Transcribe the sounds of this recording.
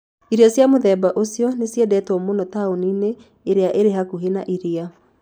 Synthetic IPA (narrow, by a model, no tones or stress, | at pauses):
iɾiasjamoðɛbaʔosijɔnesjɛdɛtɔmonɔtaonineː | ɾeaʔeɾeɦakuɦenaʔiɾia